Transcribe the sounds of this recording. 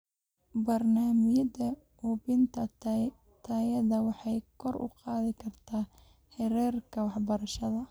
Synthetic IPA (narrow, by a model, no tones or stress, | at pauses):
bɐrnaːmɪjɐdɐ | ʊbɪnt̪ʰɐ | t̪ʰaːjɐðɐwɑħɑjkʰɔrʊ̰qɑːðɪkʰɐrt̪ʰaː | hɛɾɛːrkʰɐwɑħbɐɾɐʃɐðɐ